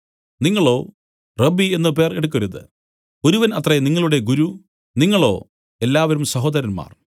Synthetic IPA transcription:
niŋːɐɭo̞ː | rɐbːienːɨp̬e̞ːreɽuk̬ːʋɐɾuðɨ̰ | o̞ɾuʋɐnɐt̪reniŋːɐɭuɽe̞ɡuɾu | niŋːɐɭo̞̰ː | e̞lːaːʋɐɾumsɐɦo̞ːd̪ɐɾɐnma̰ːr

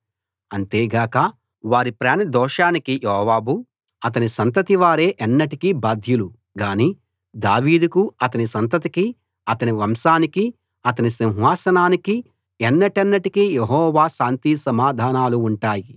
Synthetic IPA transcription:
ɐnt̪eːɡaːkɐ | ʋaːɾipɾaːnɐd̪ɔːʂaːnikijeɦɔːʋaːbu | ɐt̪̬ɐnisɐnt̪ɐt̪iʋaːɾe̞ːʔɐnːɐʈikibaːd̪ʱjulu | ɡaːniː | d̪aːʋiːd̪ukuɐt̪ɐnisɐnt̪ɐt̪̬iki | ɐt̪ɐniʋɐmʃaːniki | ɐt̪ɐnisiw̃ɦʋaːsɐnaːniki | ɛnːɐʈɐnːɐʈikijeɦɔːʋaːʃaːnt̪isɐmaːd̪ʱaːnaːluːɳʈaːji

